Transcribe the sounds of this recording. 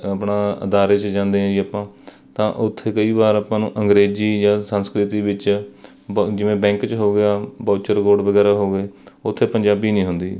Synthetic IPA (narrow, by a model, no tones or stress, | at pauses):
əpɳaːə̰d̪aːɾeːt͡ʃd͡ʒãːnd̪eːɦãiəpãː | t̪ã̰ːʔʊt̪ʰːeːkəiːbaːɾapãːnũːʔəŋɡɾeːziːjãːsənskɾɪt̪iːbɪt͡ʃ | d͡ʒɪʋẽːbɛ̃ːŋkt͡ʃɦoːɡɪaːbaːt͡ʃəɾkoːɖʋəɡɛːɾaːɦoːɡeːʊt̪ʰːeːpəɲd͡ʒaːbiːnĩːɦʊnd̪iː